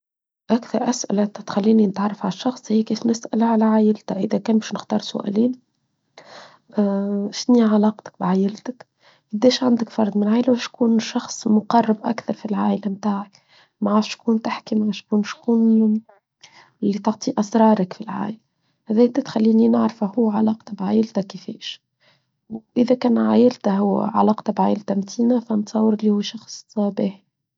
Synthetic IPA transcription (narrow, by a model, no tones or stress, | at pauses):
ʔækθɑɾˤʔæsʔɪ̰læt̪xælːiːninɪt̪ʕɑrˤːɑfʕalʃːɑxsˤhiːkiːfnɪsʔælʕalæʕaːjɪlt̪æʔəðækæːnbæːʃnɪxt̪ɑːɾˤsʊ̰ʔæ̰ːliːn | ʃniːʕalɑːqt̪ɪ̥k̚bʕaːjɪlt̪ɪk | ʔad̪ɛːʃʕand̪ɪkfɑɾˤd̪ˤmɪnʕaːʔlwæʃkuːnʃɑxsˤmʊqɑrˤːɑbʔæ̰kθɑɾˤfilʕaːʔlæmt̪aːʕək | maʕaːɾʃkuːnt̪aħkimaʕaʃkuːnʃkuːn | lːit̪ɑʕt̪ˤiʔɑsɾˤɑːɾˤɑkfilʕa̰ːʔɪl | hæðæːt̪æt̪xælːiːninaʕɾfahuːʕalɑːqt̪abʕaːjɪlt̪ækːɪfɛ̰ːʃ | wʔɪðækæːnʕaːjɪlt̪aɦʊw̰ːʕa̰lɑːqt̪abʕaːjɪlt̪amt̪ʰiːnafænt̪sˤɑːwəɾɪlːihʊwːʃɑxsˤɑbɪħ